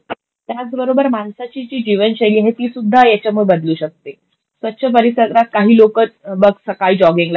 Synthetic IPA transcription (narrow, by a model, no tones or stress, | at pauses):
t̪jat͡sbəɾobəɾmansat͡ɕit͡ɕiːd͡ʑiʋənɕəliɦet̪iːsud̪ʱːajat͡ɕjamuɭebəd̪luːɕək̚t̪e | sʋətːɕʰəp̬əɾisət̪ɾat̪̚kaɦiːlokət͡sbəɡsəkaiːd͡ʑɔɡiŋɡla